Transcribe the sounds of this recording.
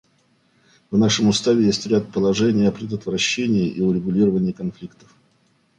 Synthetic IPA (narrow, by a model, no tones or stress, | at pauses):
vnaʂəmʊst̪avʲɪjesʲtʲɾʲat̪̚pəlˠɐʐɛnʲɪjəɐpɾʲɪd̪ət̪vɾɐɕːenʲɪːɪʔiʊɾʲɪɡʊlʲiɾəvənʲɪːkɐnflʲikt̪ə̥f